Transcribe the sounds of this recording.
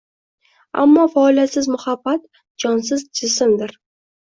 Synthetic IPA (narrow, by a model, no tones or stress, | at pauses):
a̰mːɒfaːlijat̪sɪzmʊhabːat̪̚ | d͡ʒɒnsɪzd͡ʒɪsɪmd̪ɪɾ